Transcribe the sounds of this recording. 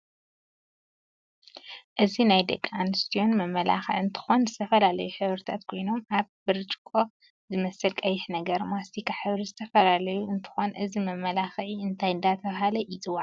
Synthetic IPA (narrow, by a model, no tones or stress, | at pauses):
ʔɨzinajd̪ɐ̰kʼːanɨst̪ʰijo̞nmɐmːɐla̰xɐ̰ʕɨnt̪ʰɨ̥xo̞nzɨt̪ʰɐfɐlalɐjuħɨβɾɨt̪ʰat̪kʰo̞jno̞mʔaβbɨɾt͡ʃʼkʼo | zɨmɐsɨlkʼɐjɪħnɐɡɐɾmast̪ikʰaħɨβɾizɨt̪ʰɐfɐlalɐjuɨnt̪ʰɨ̥xo̞nʔɨzimɐmːɐlaxʕiɨnt̪ʰajɨnd̪at̪ʰɐβɦalɐjɪzɨwaʕ